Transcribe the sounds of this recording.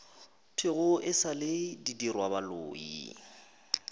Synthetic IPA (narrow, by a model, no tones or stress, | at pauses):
tʰɪɣʊʔɪsaledidirwabalo̰ːḭ